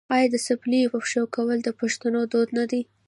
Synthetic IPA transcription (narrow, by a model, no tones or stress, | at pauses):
ɑjɑd̪əsɪblijopəpʃawkawəld̪əpaʃt̪anod̪od̪nad̪i